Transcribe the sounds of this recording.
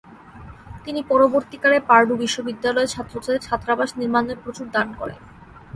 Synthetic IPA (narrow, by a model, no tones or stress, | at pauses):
t̪inipɔɾoboɾt̪ikaɾepaɾɖubiʃːobid̪ːalɔet͡ɕʰat̪ːɾot͡ɕaeɾt͡ɕʰat̪ːɾabaʃniɾmaneɾpɾot͡ɕuɾd̪ankɔ̰ɾḛn